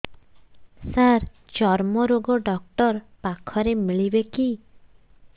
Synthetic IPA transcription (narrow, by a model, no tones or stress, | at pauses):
saɾ | d͡ʒɔɾmɔɾoɡɔɖɔk̚ʈɔɾ | pakʰɔɾemiɭibeki